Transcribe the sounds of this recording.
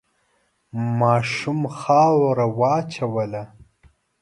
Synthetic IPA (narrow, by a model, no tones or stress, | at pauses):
mɑːʃumxɑːwɾawɑːt͡ʃawəla